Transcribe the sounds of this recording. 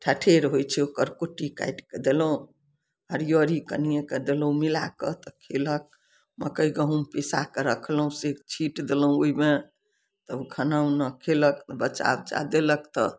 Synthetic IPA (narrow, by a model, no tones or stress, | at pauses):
ʈʰaʈʰeɾɦojt͡ʃʰɛokəɾkoʈika̰jɖked̪elɦũ | aɾjoɾikə̰nijeked̪elũmilakət̪ɔkʰelək̚ | mə̰kəiɡəɦũmpesakeɾəkʰlɦũset͡ʃʰiʈd̪elɦũoime | t̪əbɡʱənəũnəkʰeləkbət͡ʃa̰bd͡ʒa̰d̪elək̚t̪ɔ